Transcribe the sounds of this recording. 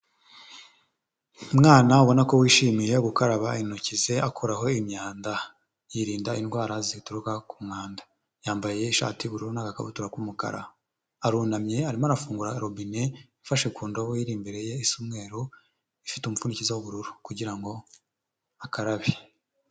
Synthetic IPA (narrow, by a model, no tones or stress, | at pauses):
mŋaːnauβo̞nako̞wiːʃiːmijejoɡukaɾaβainucize̞akʰoɾaɦo̞imɲaːnda | jiɾiːndainɡwaːɾazituɾukakumŋaːndḁ | jaːmbaje̞iʃa̰ːtiβuɾuɾunakaka̰βutuɾakumuka̰ɾa̰aː | ɾuːnamɲe̞aɾimoaɾafuːŋɡuɾaɾobineifaʃekuːndoβiɾiːmbeɾe̞je̞isumŋe̞ːɾo | ifitumufunicizawoβuɾuɾukuɟiɾaŋɡo̞ | akaɾaβi